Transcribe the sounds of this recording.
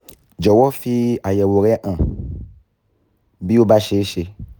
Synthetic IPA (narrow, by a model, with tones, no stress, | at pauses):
d͡ʒɔ˨wɔ˦fi˧a˨jɛ˨wo˨ɾɛ˦ʔã˨ | bi˦wo˦ba˦ʃe˦ʃe˧